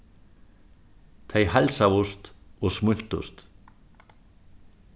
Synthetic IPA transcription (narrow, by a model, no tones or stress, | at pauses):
t̪ʰejhalsavost̪ɔɣsmʏl̥t̪ṵst̪